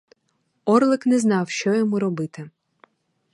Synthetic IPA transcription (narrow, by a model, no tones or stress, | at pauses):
ɔrlˠɪknɛznɑwʃt͡ʃɔjɔmuɾɔbɪt̪ɪ